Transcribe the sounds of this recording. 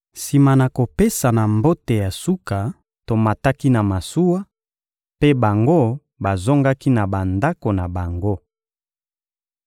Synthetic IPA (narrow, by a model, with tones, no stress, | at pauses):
si˨ma˨na˨ko˨pe˦sa˨na˨mbo˦te˨ja˨su˦ka˨ | to˨ma˨ta˦ki˦na˨ma˨su˦wa˦ | pe˦ba˨ŋɡo˦ | ba˨zo˦ŋɡa˦ki˦na˨ba˨nda˦ko˨na˨ba˨ŋɡo˦